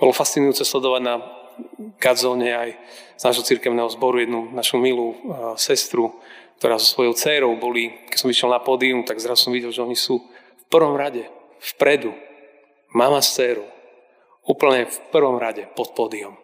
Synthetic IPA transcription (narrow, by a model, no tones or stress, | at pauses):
bɔlɔfast͡sinujuːt͡sɛslɛd̪ɔʋaɟna | ɡazɔːɲɛaj | z̥naːʒɦɔt͡siɾkɛʊnɛːɦɔzbɔɾujɛd̪nunaʃumilusɛst̪ɾuk̚t̪ɔɾaːzɔsʋɔjɔʊt͡sɛːɾɔʊbɔlikɛ̥sɔmviʃjɛlnapɔːd̪iumt̪aɡzɾazusɔmʋiɟɛlʒɛɔɲisuː | fpr̩ʋɔmɾaɟɛ | fpɾɛd̪u | mamast͡sɛːɾu | uːpl̩ɲɛfpr̩ʋɔmɾaɟɛpɔt̪̚pɔːd̪iɔm